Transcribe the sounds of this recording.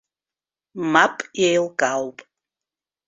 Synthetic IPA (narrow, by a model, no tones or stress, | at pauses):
mapʼjejlkʼawpʼ